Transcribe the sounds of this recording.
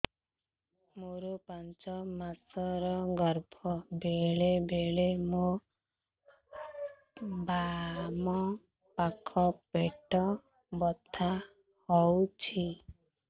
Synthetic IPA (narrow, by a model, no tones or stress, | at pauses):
moɾupant͡ʃɔmasɔɾɔɡɔɾbʱɔbeɭebeɭemo | bamɔ | pakʰɔpeʈɔ | bɔt̪ʰa | hɔwt͡ʃʰi